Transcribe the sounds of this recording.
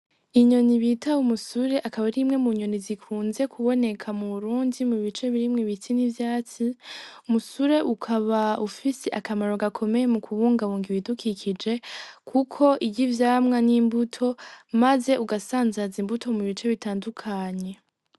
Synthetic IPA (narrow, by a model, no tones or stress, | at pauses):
iɲo̞niβitʰaumusuɾe̞ʔakaβaɾimŋe̞muɲo̞nizikʰuːnze̞kʰuβo̞ne̞kʰamuβuɾuːndimuβit͡ʃe̞βiɾimŋiβit͡sinivjaːt͡siumusuɾe̞ʔukʰaβaufiseʔakamaɾo̞ɡakʰo̞me̞je̞mukʰuβuːŋɡaβuːŋɡiβidukʰikʰid͡ʒe̞kʰukʰo̞ʔiɟivjaːmŋaniːmbutʰo̞maze̞ʔuɡasaːnzazimbutʰo̞muβit͡ʃe̞βitaːndukʰaɲe̞